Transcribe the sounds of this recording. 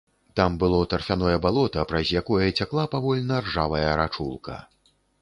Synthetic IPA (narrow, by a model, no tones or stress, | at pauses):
t̪ambɨlˠɔt̪ɐrfʲanɔjɐbalˠɔt̪ɐpɾɐzʲjakɔjɐt͡sʲaklˠapavɔlʲnɐrʐavɐjɐɾat͡ʂulˠkɐ̰